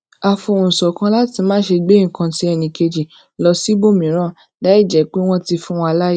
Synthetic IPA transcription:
a˨fo˧˨ũ˨sɔ˨kã˧˦la˦ti˧mãː˦ʃe˧ɡ͡be˦˨kã˧ti˦ɛ˧nĩ˨ke˧d͡ʒi˨ | lɔ˧si˦bo˦˨mĩ˨˦ɾ̃ã˦˨ | da˨˦i˦˨d͡ʒɛ˨˦k͡pe˦w̃ɔ̃˦ti˧fũ˦wɔ̃˧a˧la˦ji˦

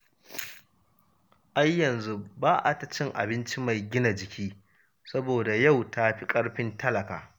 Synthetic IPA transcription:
ʔa˦jːɐ˨nzu˦baː˦ʔa˨ta˨t͡ʃɪ˦ŋʔa̰˨bɪ˦nt͡ʃi˦ma˨jɡʲɪ˦na˨d͡ʒɪ˨kʲʰiː˦ | sɐ˦boː˨da˨ja˦˨wta˦ɸi˦kʼɐ˦ɽɸɪ˦ntɐ˦lɐ˨ka̰ː˨

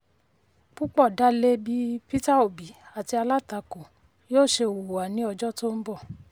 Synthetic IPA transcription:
k͡pu˦k͡pɔ˦˨da˦le˦bi˦pi˦ta˦o˨bi˨˦a˨ti˧˦a˧la˦˨ta˧ko˨ | jo˦˨ʃe˧˨wo˨wa˨nĩ˨˦ɔ˧d͡ʒɔ˦to˦m̩˦bɔ˦˨

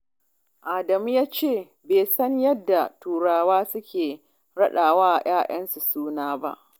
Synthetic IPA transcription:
ʔaː˨dɐ˨mu˦jaː˦t͡ʃeː˦˨ | beː˨sɐ˦ɲjɐ˦dːa˨tuː˨ɽaː˨waː˦sʊ˦kʲeː˨ | ɽɐ˦ɗaː˨waː˦ʔa˨j̰aː˦ʔɐ˦nsu˨suː˦naː˦ba̰˦ʔ

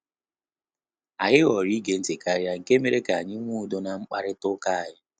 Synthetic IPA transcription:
a˨ɦɪ˦ɣɔ˨ɾi˦ɡe˦n̩˦tɪ˨ka˦ɾja˦ŋ̩˨ke˦me˦ɾe˦ka˨a˨ɲɪ˦ŋʷu˦˨do˦na˨ŋ͡m̩˦k͡pa˦ɾɪ˦tʊ˦ka˦a˨jɪ˦

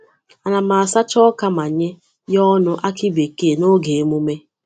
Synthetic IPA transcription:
a˨na˨ma˨a˨sa˦t͡ʃɔ˦ka˦ma˨ɲe˦ | jɔ˦nʊ˦ʔa˦kɪ˦be˨ke˦˨no˦ɡe˨e˦mu˦me˦

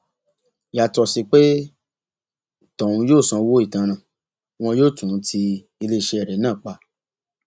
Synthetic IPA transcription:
ja˨tɔ˧si˧k͡pe˦ | tɔ˨ɾũ˧joː˦˨sã˧wo˦i˦˨tã˧ñã˨ | w̃ɔ̃˧˦joː˦˨tũ˨˦tʰi˧ | i˧le˦˨ʃe˧ɛ˨ɾɛ˨˦nãː˦˨k͡pa˧˦

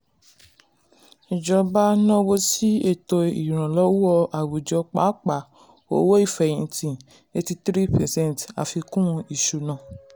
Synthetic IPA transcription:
i˨d͡ʒɔ˧ba˦nɔ̃˦wo˦si˦e˦˨to˧ḭ˨ɾ̃ã˨lɔ˦wu˦ɔ˧ʔa˨wu˨d͡ʒɔ˧k͡pa̰˨˦k͡pa˨ | o˧˦wo˦i˦˨fɛ˨ĩ˧˨˧tĩ˨ | e˧ti˧tɾi˦pɛ˨sɛ̃˦n˨ta̰˨fi˧kũ˦˧i˨ʃu˨nã˨

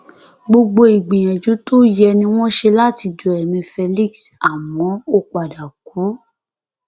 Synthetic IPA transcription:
ɡ͡bo˧ɡ͡bo˧i˨ɡ͡bĩ˨j̃ã˨d͡ʒu˨˦to˦jɛ˧nĩ˧w̃ɔ̃˦ʃe˧la˦ti˧du˨ɛ˨mĩ˧fe˧li˦ksa˨mwɔ̃˨˦o˧k͡pa˨da˨ku˨˦

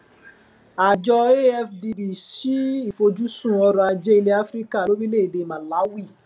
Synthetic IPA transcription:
a˨d͡ʒɔ˧e˦ɛ˦fdi˧bi˨ʃi˨˦i˦˨fo˧d͡ʒu˦sũ˦˨ɔ˧ɾɔ˧a˧d͡ʒɛ˦i˦˧le˦a˦fɾi˦ka˦˨lo˨˦ɾi˦le˦˨i˨de˨˧˨mã˨la˨˦wi˦˨

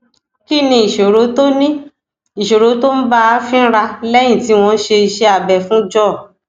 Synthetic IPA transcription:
ki˦nĩ˧i˨ʃo˨ɾo˨˦to˦nĩ˦ | i˨ʃo˨ɾo˨˦to˦n̩˦ba˦fĩ˦n̩˦ɾa˧lɛ˦j̃ĩ˦˨ti˨˦w̃ɔ̃˧n̩˦ʃe˧i˧ʃe˧a˨bɛ˨fũ˦d͡ʒɔ˦˨

